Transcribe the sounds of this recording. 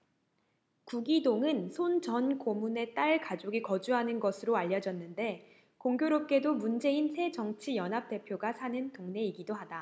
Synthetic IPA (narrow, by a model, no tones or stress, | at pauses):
kuɡidoŋɯnsʰont͡ɕʌnkomune̞t͈aɭkad͡ʑoɡikʌd͡ʑuɦanɯnɡʌsʰɯɾoaʎːʌd͡ʑʌnːɯnde̞ | koŋɡjoɾop̚k͈e̞domund͡ʑe̞insʰe̞d͡ʑʌŋt͡ɕʰijʌnɦap̚t͈e̞pʰjoɡasʰanɯntoŋne̞iɡidohada